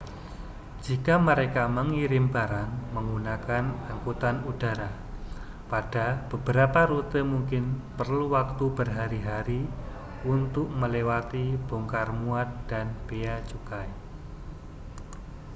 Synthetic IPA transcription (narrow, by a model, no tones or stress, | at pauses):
d͡ʒikaməɾekaməŋiɾɪmbaɾanməŋɡunakanaŋkut̪anud̥aɾa | pad̥ab̥əbəɾapaɾut̪əmuŋkɪnpərluwak̚t̪ubərɦaɾiɦaɾi | unt̪ʊk̚məlewat̪ib̥oŋkarmuat̪̚d̥anb̥eat͡ʃukaj